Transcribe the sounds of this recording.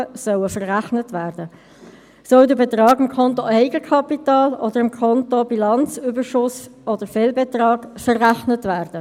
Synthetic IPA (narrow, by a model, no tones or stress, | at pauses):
əsœwəfəɾʁæχnətvæːɾd̥ə | sœʊdəbɛt̪ɾɑːɡɪmkʰɔntoʔɛɪɡəkʰɑpitɑːlɔd̥̪əɾɪmkʰɔntobilɑnt͡syːbəɾʃʊsɔd̪əfeːlbɛtɾɑːɡfəɾːæχnətvæːrd̥ə